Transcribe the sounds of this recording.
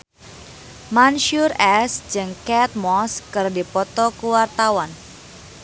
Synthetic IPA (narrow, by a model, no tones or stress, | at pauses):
manʃurɛsd͡ʒɨŋkɛt̪̚mɔskɨrdipɔt̪ɔkuwart̪awan